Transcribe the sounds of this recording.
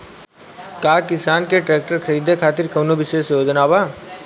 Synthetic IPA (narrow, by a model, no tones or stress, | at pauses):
kaːkɪsaːnkeʈɾeːk̚ʈəɾkʰɐɾiːd̪ʱekʰaːt̪ɪɾkɐːnobɪʃeːʃoːd͡ʒənaːbaː